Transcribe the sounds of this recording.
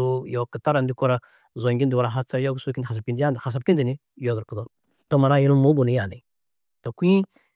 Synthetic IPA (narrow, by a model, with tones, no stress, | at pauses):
u˦jo˨kə˨ta˦ɾa˨ndi˦ko˦ɾa˨ | zo˨ŋɡi˦n˦di˨wa˨ɾa˨ɦa˦t͡sa˦jo˦ɡu˨su˦ki˦n˨a˨s̬a˨pki˨ndi˦ja˦ndha˨s̬a˨b̚ki˦ndi˨ni˦ | jo˨zu˨ɾkə˨do˨˦ | to˦ma˨ɾa˦ji˦lmo˦ɡu˨ni˨˦ja˨na˨ | to˨kʷi˦